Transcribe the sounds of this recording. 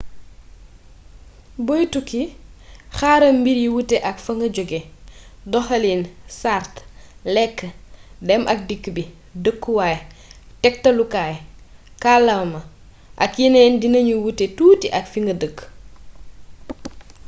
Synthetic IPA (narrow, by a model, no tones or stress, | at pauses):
bɔjtuki | xaɾɐmbiɾjiwutːɛʔɐkfɐŋɡɐɟɔɡedɔxɐlinsartlɛkːədɛmʔɐk̚dikːbi | dəkːuwajtɛk̚tɐlukaːj | kalɐwmɐ | ʔɐkjinɛndinɐɲuwutːetuːtiʔɐkfiŋɡɐdəkː